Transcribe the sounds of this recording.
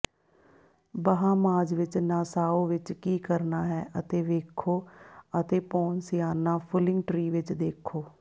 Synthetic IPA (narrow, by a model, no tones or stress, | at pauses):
bəɦãːmaːd͡ʒʋɪt͡ʃnãːsaːoːʋɪt͡ʃkiːkəɾnaːɦɛːʔət̪eːʋeːkʰoːət̪eːpɔːnsɪjaːnãːpʰʊlɪ̃ŋɡʈɾiːʋɪt͡ʃd̪eːkʰːoː